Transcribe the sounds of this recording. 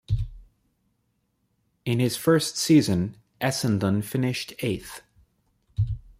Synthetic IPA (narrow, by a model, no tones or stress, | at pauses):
ɨ̃nɨz̥fɜ˞stsizɨ̃n | ʔɛsɨ̃ndə̃nfɪ̃nɪʃtʰeɪθ